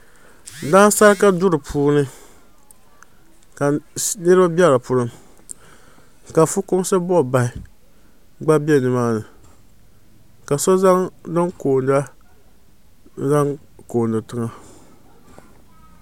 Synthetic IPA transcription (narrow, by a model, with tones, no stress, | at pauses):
daː˦n˦sa˦ɾɨ˦ka˦dʊ˦ɾɨ˨pʰuː˦nɨ˦ | ka˨nɨ˦ɾa˦bɛ˦la˨pʊ˦ɾɨ˦m | ka˨fʊ˦kʊ˦m˦sɨ˦bɔ˦˨ba˨ɪ˨ | ɡ͡ba˦bi˦ɛ˦nɨ˨maː˦nɨ˨ | ka˨sɔ˦za˦ŋdɨ˦ŋkoː˨nda˦ | za˦ŋ | koː˨ndɨ˨tɨ˦ŋa˦